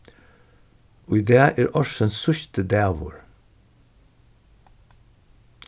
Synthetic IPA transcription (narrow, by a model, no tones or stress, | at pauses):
ʔoːid̪æːʔæːɹʔɔʃənsʊçt̪əd̪æːʋʊ̰ɹ